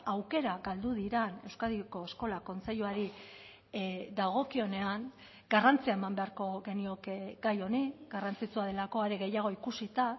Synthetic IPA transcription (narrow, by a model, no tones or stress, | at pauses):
awke̞ɾaɣald̪uðiɾane̞wskaðiko̞esko̞lako̞nt͡se̞ʎuaɾi | d̪aɣ̞o̞kio̞ne̞aŋ | ɡ̥arant͡siaemambe̞aɾko̞ɣe̞nio̞kɡajo̞niɡarant͡sit͡suaðe̞lako̞aɾeɣe̞jaɣ̞o̞ikusit̪a